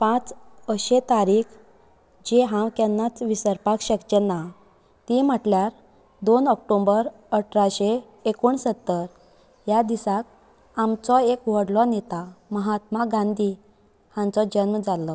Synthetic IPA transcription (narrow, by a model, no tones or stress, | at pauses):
pãt͡səɕet̪aɾiːkʰ | d͡ʑeɦãwkɛnːat͡sʋisəɾpakɕəkt͡ɕena | t̪iməʈljaɾ | d̪onɔk̚ʈombəɾ | əʈʰɾaɕeː | kuɳsət̪ːəɾ | jad̪isak̚ | amt͡sɔekʋəɽlɔnet̪aməɦat̪maɡãnd̪i | hãnt͡sɔd͡ʑənmd͡zalɔ